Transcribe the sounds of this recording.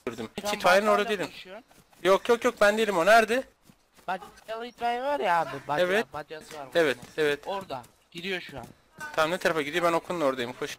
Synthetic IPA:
yɾd̪ɯmcʰit̪ʰajɯnɯnoɾd̪ad̪ejelʲim | jokjokjok̚bænd̪ejelʲimonæɾd̪ɛ | t̪ajvaɾaːbevɛt̪̚evɛt̪evɛt̪ɾd̪ḁ | iɾijoʃua | t̪ʰaminʲɛit̪ʰaɾafaɟid̪ijo̞bænokʰununo̞ɾd̪ajɯmkʰoʃ

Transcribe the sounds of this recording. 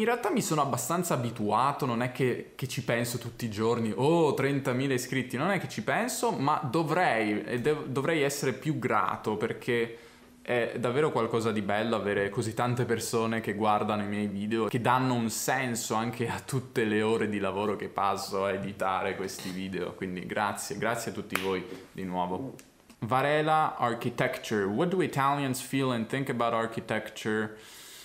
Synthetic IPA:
inrealt̪amːisoːnoabːast̪ant̪saːbit̪uaːt̪ononɛk̟ːekːet͡ʃːipɛnsot̪ut̪ːiːd͡ʒorniʔot̪ɾɛnt̪amiːleskɾit̪ːinonɛkːe̥t͡ʃːipɛnsomad̪ovɾɛj̰d̪ɛːvd̪ovɾɛjɛsːeɾepjuɡɾa̰ːt̪operk̟ʰe | ɛd̪avːeːɾokwalkɔːzad̪ibɛlːoaveːɾekozit̪ːant̪epersoːnekeɡward̪anoimjɛjviːd̪eok̟ed̪anːounsɛnsoaŋkʰeat̪ːut̪ːeleoːɾed̪ilavoːɾok̟epːasːoaed̪it̪aːɾekwest̪iviːd̪eo̰kwind̪ḭɡɾat̪sːjeɡɾat̪sjat̪ːut̪ːivoːjd̪inwɔːvo | vaɾɛːlaarkit̪ɛkt͡ʃurwɔt̪̚d̪uit̪ʰaljansfilɛ̃nθiŋkəbawt̪arkit̪ɛkt͡ʃuɹ

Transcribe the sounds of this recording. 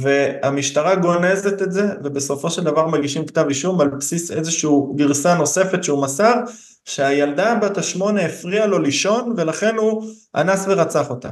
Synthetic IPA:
ve̞amiʃtaʁaɡo̞ne̞ze̞t̪etze̞ve̞be̞so̞fo̞ʃe̞ld̪avaʁmaɡiʃimktaviʃumalpsise̞zeʃuuɡiʁsano̞se̞fe̞tʃeumasaʁ | ʃeajald̪abataʃmo̞neːfʁialo̞liʃo̞nve̞laχe̞nu | a̰nasve̞ʁat͡saχo̞t̪a̰

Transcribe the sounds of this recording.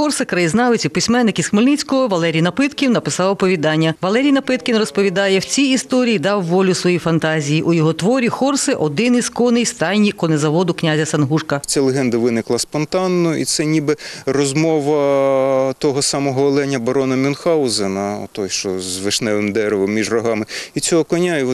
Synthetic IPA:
xɔrsɪkɾɐjiznɑʋɪt͡sʲɐpɪsʲmɛnːɪkisxmɪlʲnit͡sʲkɔɦɔʋɐlˠɛɾʲijnɐpɪt̪kʲiwnɐpɪsɑwɔpɔʋʲid̪ɑnʲːɐʋɐlˠɛɾʲijnɐpɪt̪kʲɪnrɔspɔʋʲid̪ɑjɛwt͡sʲiːst̪ɔɾʲijid̪ɑwːɔlʲʊsʋɔjifɐnt̪ɑzʲijiʔujɔɦɔt̪ʋɔɾʲixɔrsɪʔɔd̪ɪniskɔnɪjst̪ɑjnʲikɔnezɐʋɔd̪ʊknʲazʲɐsɐnɦuʂkɐt͡sʲalˠeɦɛnd̪ɐʋɪnɪklˠɐspɔnt̪ɑnːɔḭt̪sɛnʲibɪrɔzmɔʋɐ | t̪ɔɦɔsɑmɔɦɔɔlˠɛnʲːɐbɐɾɔnɐmʲɔnxɑʊzɛnɐɔ̰t̪ɔjʃt͡ʃɔzʋɪʃnɛʋɪmd̪ɛɾɪʋɔmːʲiʒrɔɦɑmɪit͡sʲɔɦɔkɔnʲa

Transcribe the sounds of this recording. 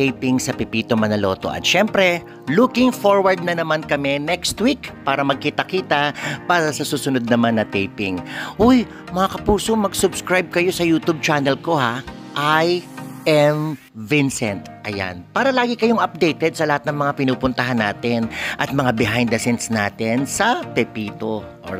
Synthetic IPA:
t̪ejpɪŋsɐpɪpiːt̪omɐnɐlo̞ːt̪o̞̰ʔɐ̰t̪ʃɛmpɾɛ | lukɪŋfoɹwɐɹd̪̚nɐnɐmankɐmɛnɛkst̪wikpaːɾɐmɐɡ̚kiːt̪ɐkiːt̪ɐpaːɾɐsɐsuːsʊnod̪̚nɐmanːɐt̪ejpɪŋʔoj | mɐŋɐkɐpuːso̞mɐɡsʊbskɹajb̚kɐjo̞sɐjuːt̪ub̚t͡ʃaːnɛlko̞ha | ʔajʔɛm | vɪnsɛnt̪ʔɐja̰npaːɾɐlaːɡɪkɐjoŋɐp̚d̪ɛjt̪ɛd̪̚sɐlɐhat̪̚nɐŋmɐŋapɪnuːpʊnt̪ɐɦanːaːt̪ɪnʔɐt̪̚mɐŋabɪɦajnd̪ɐsɛnt̪sna̰ːt̪ɪnsɐpɛpiːt̪oʔo̰

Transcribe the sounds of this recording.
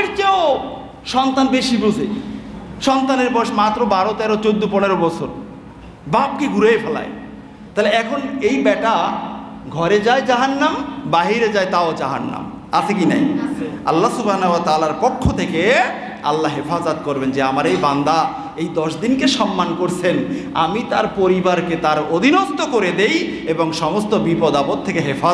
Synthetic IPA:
ɾkeo | ʃɔnt̪anbeʃibud͡ʑʱe | ʃɔnt̪aneɾbɔʃmat̪ːɾobaɾot̪ɛɾot͡ɕod̪ːopɔneɾobɔt͡ɕʰoɾ | bab̚keɡuɾejpʰɛla̰e | t̪aɦeleɛkʰonejbɛʈa | ɡʱɔɾed͡ʑaed͡ʑaɦanːambaɦiɾed͡ʑaejt̪aot͡ɕaɦa̰nːa̰m | at͡ɕʰek̬ina̰ja̰lːasubɦanooat̪aːlaɾpokʰːot̪ʰeke | a̰lːaɦefazat̪̚koɾbend͡ʑeamaɾejband̪a | ejd̪ɔʃd̪inkeʃɔmːankoɾt͡ɕʰen | a̰mit̪aɾpoɾibaɾket̪aɾod̪ʱinott̪ːokoɾed̪ejeboŋʃɔmost̪obipɔd̪apot̪̚ʰːekeɦefa

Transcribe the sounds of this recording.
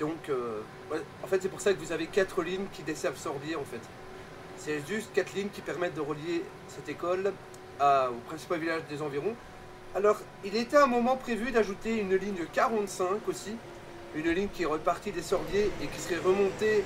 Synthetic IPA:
d̪ɔ̃kø | vwɛɑ̃fɛt̪sɛpuʁsakəvuzavekat̪χəliɲkʲid̪esɛʁvsɔʁd̪jeɑ̃fɛt̪ | sɛʒyst̪kat̪liɲkʲipɛʁmɛt̪̚d̪əʁəlje | sɛt̪ekɔl | aopχɛ̃si̥palvilaʒd̪ezɑ̃viʁɔ̃ | alɔʁ | ilet̪ɛɛ̃mɔmɑ̃pχevyd̪aʒut̪eynliɲkʲaʁɑ̃t̪sɛ̃kosi | ynliɲkʲiɛʁəpaʁt̪id̪esɔʁd̪jeʔekʲi̥səʁɛʁəmɔ̃t̪e

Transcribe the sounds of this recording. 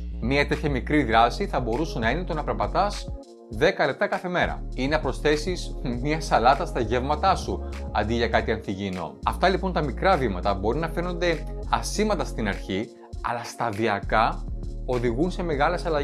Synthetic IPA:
miɐt̪e̞t̪çɐmikɾiðɾɐsiθɐbo̞ɾusonɐenit̪onɐpɾɐpɐt̪ɐs | ðe̞kɐle̞p̚t̪ɐkɐθe̞me̞ɾɐ̰ineɐpɾo̞sθe̞sismɲɐsɐlɐt̪ɐst̪ɐʝevmɐt̪ɐsuɐ̰nd̪iʝɐkɐt̪iɐnθiʝino̞̰ɐft̪ɐlipo̞nt̪ɐmikɾɐvimɐt̪ɐbo̞ɾinɐfeɾno̞nd̪e̞ɐsimɐt̪ɐst̪inɐɾçi | ɐ̰lɐst̪ɐðiɐkɐo̞ðiɣunse̞me̞ɣɐlesɐlɐ

